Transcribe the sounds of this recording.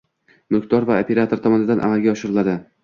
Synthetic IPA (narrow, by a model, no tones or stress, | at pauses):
mʊlˠkʰʲt̪ɒɾvaopʰe̞ɾat̪ʰo̞ɾt̪ʰɒmɒnɪd̪anʔa̰malˠɡʲaɒʃɪɾɪlad̪ɪ